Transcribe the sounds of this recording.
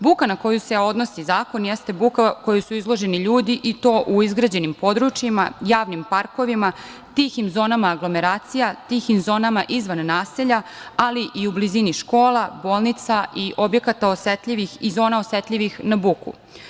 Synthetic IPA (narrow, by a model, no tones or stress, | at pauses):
bukanako̞juseo̞d̪no̞sizaːko̞njest̪e̞bukako̞jusuizlˠo̞ʒe̞niʎuːd̪iʔit̪o̞ːʔuizɡɾad͡ʑe̞nimpo̞d̪ɾut͡ʃjima̰jaːʋnimpaɾko̞ʋima | t̪iximzo̞ːnamaːɡlo̞me̞ɾaːt̪sijat̪iːximzo̞ːnamaʔizʋanːaːseʎaaliʔiubliziniʃko̞ːlaboːlˠnit̪saʔiʔo̞bje̞kat̪aoset̪ʎʲiʋixizo̞ːnao̞set̪lʎʲiʋixnabukṵ